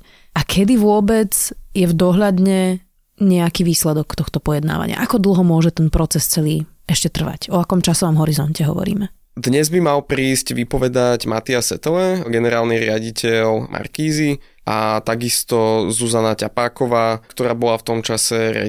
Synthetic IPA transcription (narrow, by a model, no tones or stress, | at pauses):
ʔakʰɛd̪iʋʊɔbɛd͡zjɛvd̪ɔɦʎad̪ɲɛ | ɲɛakiːʋiːslɛd̪ɔkt̪ɔxt̪ɔpɔjɛd̪na̰ːʋa̰ɲɪa̰ʔakɔd̪l̩ɦɔmʊɔʒɛt̪ɛnpɾɔt͡sɛst͡sɛliː | ɛʃcɛt̪r̩ʋa̰cɔakɔmt͡ʃasɔʋɔmɦɔɾizɔncɛɦɔ̰ʋɔ̰ɾḭːmɛ | d̪ɲɛzbimalpɾiːsɟʋipɔʋɛd̪aɟmat̪iasɛt̪ɛlɛɡɛnɛɾaːlniɾɪaɟicʰɛʎmʔa̰ɾkiːzi | ʔat̪aɡist̪ɔzuzanacapaːkɔʋaːkt̪ɔɾaːbɔlaft̪ɔmt͡ʃasɛɾɪa̰